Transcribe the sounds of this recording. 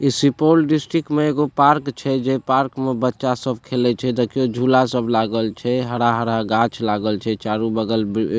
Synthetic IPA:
isipolɖisʈɾikʈmeeɡopaɾkt͡ʃʰɛd͡ʒepaɾkmebətːʃasəb̚ʱkʰelɛt͡ʃʰɛd̪əkijod͡ʒʱulasəbʱlaɡəlt͡ʃʰɛɦəɽaɦəɽaɡat͡ʃʰlaɡəlt͡ʃʰɛt͡ʃaɾubəɡəlb

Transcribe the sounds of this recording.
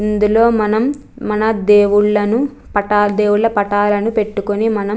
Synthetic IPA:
ind̪ulo̞ːmɐnɐm | mɐnɐd̪eːwuɭlɐnu | pɐʈaːld̪e̞ːwuɭlɐpɐʈaːlɐnupe̞ʈːukonimɐnɐ

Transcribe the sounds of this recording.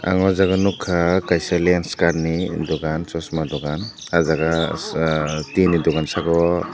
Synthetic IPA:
a̰ŋɔzaɡanukʰːakajsalianskaɾnidɔɡant͡ʃɔsmadɔɡan | azaɡa | tinidɔɡansaɡɔ

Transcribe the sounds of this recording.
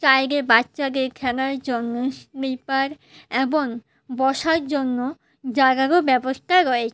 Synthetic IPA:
t͡ɕajɡebatːɕaɡekʰɛnaɾd͡ʑonːobipaɾ | eboŋ | bɔʃaɾd͡ʑonːo | d͡ʑaɡaɡobɛboʃʈʰaɾoet͡ɕʰe

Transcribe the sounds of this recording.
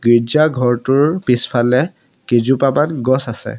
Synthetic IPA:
ɡiɹd͡ʒaɡʱɔɹtʊɹpispʰalɛ | kezupamanɡɔsasɛ̰

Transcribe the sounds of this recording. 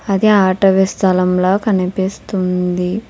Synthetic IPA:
ɐd̪iaːʈɐʋist̪ʰɐlɐmloːkɐnipist̪und̪i

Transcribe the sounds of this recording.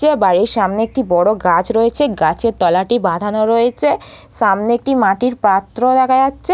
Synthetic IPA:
ebaɽiɾʃamneek̚ʈibɔɽoɡat͡ɕɾoet͡ɕʰeɡat͡ɕʰeɾt̪ɔlaʈibad̪ʱanoɾojet͡ɕʰeʃamneek̚ʈimaʈiɾpat̪ːɾod̪ɛkʰad͡ʑatːɕʰe

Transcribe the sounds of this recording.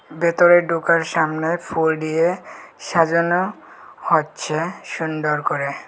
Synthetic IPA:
bet̪oɾeɾɖukaɾʃamnefʰulɖijeʃad͡ʑono | hotːɕʰeʃunɖoɾkoɾe

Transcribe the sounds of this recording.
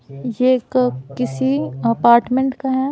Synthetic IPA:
jekkɪsiɐpaːɾʈmẽɳʈkaɦɛː

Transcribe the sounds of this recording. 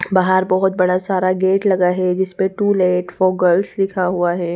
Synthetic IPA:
baɦəɾbɔɦʊt̪̚bɐɽasaːɾaɡeːʈlɐɡaɦɛd͡ʒɪsmẽʈuːleːʈfɔːɡəlslɪkʰaɦuaɦɛː

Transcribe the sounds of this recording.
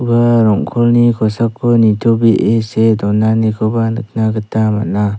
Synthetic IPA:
baɾɔŋkʰɔlnikʰɔsakʰːɔnitʰɔbiʔesedɔnanekʰɔbanɯk̚naɡɯtama̰na

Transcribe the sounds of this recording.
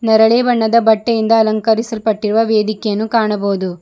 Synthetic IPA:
nɐɾɐɭeːbɐɳːɐd̪ɐbɐʈːɐjind̪ɐːlɐŋkɐɾisɐlpɐʈːiɾuʋɐʋeːd̪ikɛjɐnːukaːɳɐboːd̪u

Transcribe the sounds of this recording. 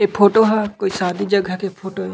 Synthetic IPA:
epʰoːʈoɦɛkoːisaːd̪id͡ʒɐɡʱakepʰoːʈo

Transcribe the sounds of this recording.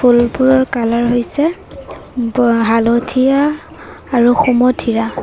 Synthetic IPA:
pʰulpuɹɔɹkalaɹɦojsɛ | ɦalotʰijaː | ɹuxumɔtʰiɹa

